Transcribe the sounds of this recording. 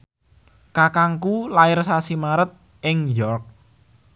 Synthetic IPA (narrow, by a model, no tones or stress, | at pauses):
kakaŋkulaɪrsasimaɾət̪̚ | ɪŋjɔrk̚